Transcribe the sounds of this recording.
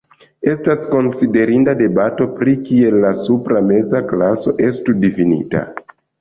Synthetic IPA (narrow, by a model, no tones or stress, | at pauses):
e̞stasko̞nside̞ɾindade̞bato̞pɾikie̞lːasupɾame̞zaklaso̞ʔe̞studifinḭta̰